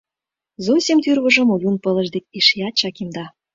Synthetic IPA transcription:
zosʲimt̪yrβɤ̆ʒɤ̆mojunpɤ̆lə̆ʒd̪ek̚ʲiʃjɑt͡ɕɑkimd̪ɑ

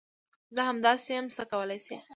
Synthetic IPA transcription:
zəɦamd̪ɑseamsəkawəlajsḛ

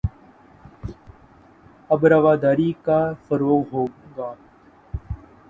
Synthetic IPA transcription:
əbɾaʋaːd̪aːɾiːkaːfəɾoːɣɦoːɡaː

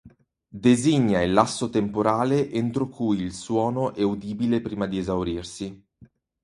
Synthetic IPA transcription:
d̪eziɲːailːasːot̪empoɾaːleʔent̪ɾokujilswɔːnoʔɛud̪iːbilepɾiːmad̪iezawɾirsi

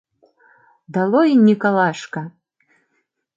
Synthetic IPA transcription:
d̪alˠɔinʲikalˠaʂkɐ

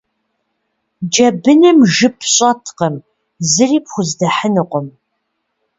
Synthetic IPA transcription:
d͡ʒɐbɨnɨmʒɨpʰɕʼɐtʰqəm | zɨriːpʰxʷʊzdɐħənɨqʷɔm

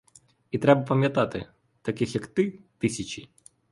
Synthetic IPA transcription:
it̪ɾʲɛbəpɐmʲjɐt̪at̪ɨ̰ | t̪ɐkʲixjakt̪ɨt̪ɨsʲɪt͡ɕɪ

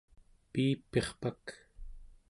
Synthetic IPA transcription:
piːpːeχpak

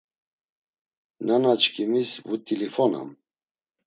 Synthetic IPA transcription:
nanat͡ʃkʰʼimisvut̪ʼilifɔna̰m

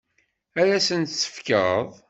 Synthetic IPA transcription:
ælæsənt̪sə̥fkə̰ðˤ

